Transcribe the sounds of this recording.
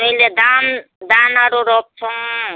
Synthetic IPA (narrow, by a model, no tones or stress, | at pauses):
eled̪and̪anaɾoɾɔp̚t͡ʃʰɔ̃